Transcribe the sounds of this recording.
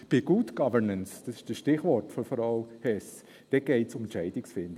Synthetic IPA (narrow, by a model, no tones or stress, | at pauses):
b̥iɪɡ̥uːtɡ̥ɑvənənsd̥ɑsɪ̥ʃd̥əsʃtɪχvɔɹtfɔnfɾaʊhɛs | d̥ɛɡ̥eɪtsʊmnt͡ʃɛɪdɪksfɪnd